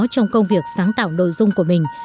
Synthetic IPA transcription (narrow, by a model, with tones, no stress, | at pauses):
t͡ɕɔ˧wŋ͡mkə˧wŋ͡mvi˨˩ək̚saː˨˦ŋt̪a̰ː˧˩wno̰˧˨jzʊ˧ŋ͡mku˧˩əmï˨˩ŋ̟